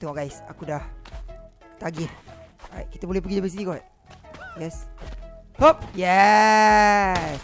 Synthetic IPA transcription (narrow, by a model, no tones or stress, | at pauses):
t̪ɛŋɔɡajsa̰kudah | t̪aɡihɹa̰jʔ̚ki̥t̪əbolɛhpəɡidəbəs̬idikɔʔ | ɡas | hop̚jɛ | s